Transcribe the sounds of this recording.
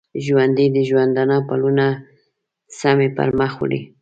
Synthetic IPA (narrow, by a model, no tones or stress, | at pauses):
ʒwand̪id̪əʒwand̪anapaluna | samepa̰ɾməxw̰ɽḭ